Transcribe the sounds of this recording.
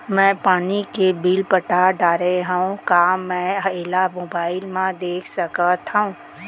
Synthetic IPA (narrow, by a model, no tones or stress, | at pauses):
mɛ̃ːpaːnikebiːlpəʈaɖaːɾeɦəũkamɛ̃eːlamoːbaːɪlmãd̪eːkʰsəkət̪ɦəũː